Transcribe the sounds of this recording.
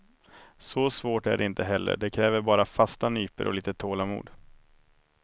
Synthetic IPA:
sɔsvoːʈæɖɛɪnt̪əɦɛlːə̰ɖɛkʰɾɛːvəɾbɑːɾafast̪anyːpə̰ɾʔɔ̰liːt̪ət̪ʰoːlamṵːd̪

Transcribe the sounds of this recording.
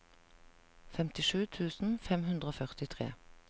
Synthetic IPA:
fɛmt̪ɪʃʉːt̪ʰʉːsn̩fɛmhʉnd̪ʁəoːfœʁt̪ɪt̪ʰʁḛː

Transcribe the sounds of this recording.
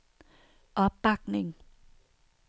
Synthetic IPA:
ʔɔpak̚nɪŋ

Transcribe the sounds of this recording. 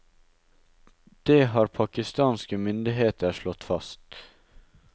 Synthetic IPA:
d̪̥eːhɑːɾpʰɑkɪst̪ɑːnskəmʏnd̪ɪɦeːt̪əɾʃlɔt̪fɑst̪

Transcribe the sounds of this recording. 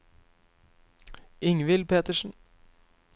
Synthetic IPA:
ʔɪŋʋɪlpʰeːt̪əʂn̩

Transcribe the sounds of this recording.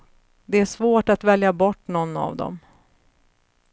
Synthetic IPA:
d̪ɛæʂvoːʈat̪vɛljabɔʈːnɔnːa̰vd̪ɔ̰m

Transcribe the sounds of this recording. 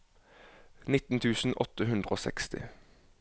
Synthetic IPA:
nɪt̪n̩t̪ʰʉːsn̩ʔɔt̪əɦʉnd̪ʁəoːsɛ̰kst̪ɪ̰

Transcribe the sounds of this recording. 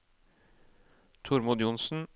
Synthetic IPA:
t̪ʰʊɾmʊd̪jʊnsn̩

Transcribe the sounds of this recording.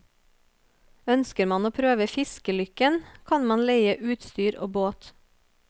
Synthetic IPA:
œnskəɾmɑnoːpʰɾøːʋəfɪskəlʏkənkʰɑnmɑnleɪəʔʉːt̪st̪yːɾo̰ːboːt̪

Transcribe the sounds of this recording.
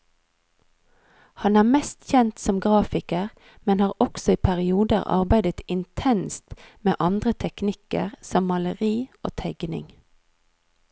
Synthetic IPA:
hɑnæːʁmɛst̪çɛnt̪sɔmɡʁɑːfɪkəʁ | mɛnhɑːʁɔksɔiːpʰæʁɪuːd̪əʁɑ̰ʁbæɪd̪ət̪ɪnt̪ʰɛnst̪meːʔɑnd̪ʁət̪ʰɛknɪkə̰ʁsɔmːɑləʁiːʔo̰ːt̪ʰæɪɡnɪ̰ŋ

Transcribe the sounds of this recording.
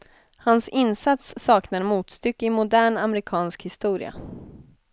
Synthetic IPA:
hansɪnsat̪sːɑːknaɾmuːt̪st̪ʏkːɪmʊd̪æːɳamɾɪkʰɑːnskhɪst̪uːɾɪ̰a̰

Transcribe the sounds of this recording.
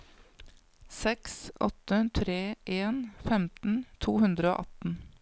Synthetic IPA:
sɛksʔɔ̰t̪ət̪ʰɾeːʔeːnfɛmt̪n̩t̪ʰuːhʉnd̪ɾəo̰ːʔɑt̪n̩

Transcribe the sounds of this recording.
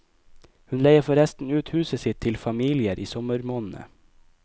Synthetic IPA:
hʉnlæɪəfɔɾɛst̪n̩ʉːt̪hʉːsəsɪt̪ʰːɪlfɑmiːlɪəɾʔiːsɔməɾmoːnn̩ə̰

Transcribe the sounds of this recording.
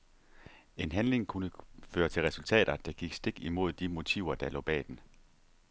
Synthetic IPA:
e̝nɦænle̝ŋkʰunəføːɐt͡sʰe̝lʁɛsult͡sʰɛ̰ːɾ̥ɐd̥ɑ̈ɡ̥iɡ̥sd̥e̝ɡ̥imo̝ð̞̰ˠd̥imo̝t͡sʰiʊ̰ɐd̥ɑ̈lɔ̰̽ːb̥ɛ̰ːd̥en̩

